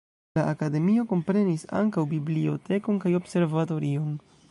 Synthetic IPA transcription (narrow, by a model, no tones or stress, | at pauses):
laʔakade̞mio̞ko̞mpɾe̞nisa̰ŋkawbiblio̞̰te̞ko̞nkajo̞bse̞ɾvato̞ɾio̞n